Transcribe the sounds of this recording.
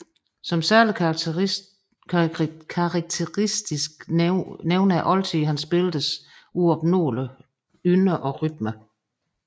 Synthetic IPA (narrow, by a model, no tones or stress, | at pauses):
sɒ̽msæɐ̰li | kʰɑʁ̚t͡sʰeʁisd̥isɡ̥neʊnæʔɒ̽lt͡sʰiɦænsb̥e̝ld̥əsʔuɒ̽b̥̚no̝̰ːlə | ynəʔɒ̽ʁyd̥mə